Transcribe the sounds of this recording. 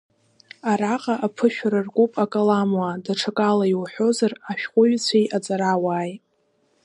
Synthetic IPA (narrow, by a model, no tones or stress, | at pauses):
aɾaqʼaʔapʰɨʃᶣaɾarkʷʼupʼakʼalamwadaʈ͡ʂʰakʼalaiwħʷo̞zaraʃᶣqʷʼʊɥt͡sʷʰejʔat͡sʼaɾawaːjʼ